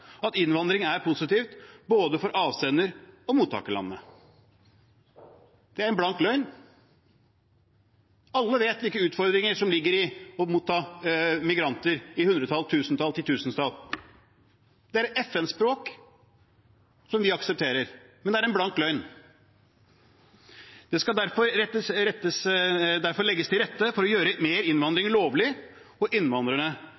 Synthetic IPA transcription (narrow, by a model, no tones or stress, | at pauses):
ɑt̪ɪnʋɑnd̪ɾɪŋæɾpʰʊsɪt̪iːft̪boːd̪əfɔɾʔɑːʋseːnəɾɔmuːt̪ʰːɑ̰ːkəlɑ̰nːə | d̪̥ɛæɾɛnblɑŋk̪lœʏn | ɑlːəʋeːt̪ʋɪlkːəʉːt̪fɔɾd̪ɾɪŋəʂɔmlɪɡːəɾɪɔmuːt̪ʰːɑːmɪɡɾɑnt̪əɾɪhʉnd̪ɾət̪ʰɑlt̪ʰʉːsn̩t̪ʰɑlt̪ɪlt̪ʰʉːsnt̪ʰɑl | d̪̥ɛæɾɛɛfɛnspɾoːk | sɔmʋɪɑksɛp̚t̪ʰeːɾəɾmɛnd̪ɛæɾɛnblɑnk̪lœʏn | d̪̥ɛskɑd̪æɾfɔɾɛt̪ːəɾɛt̪ːəsd̪æɾfɔɾɭɛɡːəst̪ʰɪlɾɛt̪ːəfɔɾɔjøːɾəmeːɾɪnʋɑnd̪ɾɪŋɭoːʋlɪ | ɔʔɪnːʋɑnd̪ɾəɳə